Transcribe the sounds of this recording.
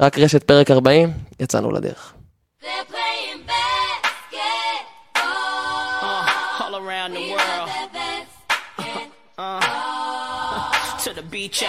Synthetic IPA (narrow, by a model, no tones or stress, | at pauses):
ʁakʁeʃet̪̚peʁekaʁbaimjat͡sa̰nṵlʔa̰d̪ḛʁeχ | ðẽb | ohɔlˠə˞ãʊ̃nðəwɜ˞lˠ | tʰɨðəbit͡ʃ